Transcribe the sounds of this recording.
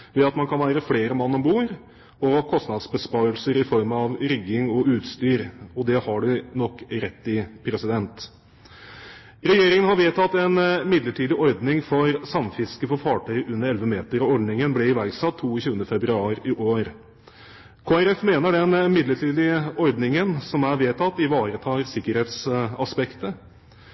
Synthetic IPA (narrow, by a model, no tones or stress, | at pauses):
ʋɛɑt̪mɑnkʰɑnʋæːɾəfleːɾəmɑnːɔmbuːɾ | ɔkʰɔst̪nɑd̪sbəspɑɾəlsəɾɪfɔɾmɑʋɾʏɡːɪŋɔʔʉːt̪st̪yːɾɔd̪ɛhɑɖɛnɔkːɾɛt̪ːɪpʰɾɛsɪd̪ɛnt̪ | ɾɛjeːɾɪŋənhɑɾʋeːt̪ʰɑt̪ːɛnmɪd̪ləʈʰiːd̪ɪʔɔɾd̪nɪŋfɔɾsɑmfɪskəfɔfɑːʈʰœʏʔʉnːəɾɛlʋəmeːt̪əɾɔɔɾɖnɪŋənblɛɪʋæɾɡsɑt̪ʰːuːçʉːənəfɛbɾʉɑːɾɪʔoːɾ | kʰoːæɾɛfmeːnəɖɛnmɪd̪ləʈʰiːd̪ɪəɔɾd̪nɪŋənsɔmæɾʋeːt̪ʰɑt̪ːɪʋɑːɾət̪ʰɑːɾsɪkːəɾheːt̪sɑspɛkt̪ə